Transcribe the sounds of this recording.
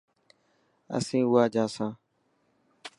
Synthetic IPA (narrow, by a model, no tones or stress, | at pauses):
ə̰sĩːʊaːd͡ʒaːsãː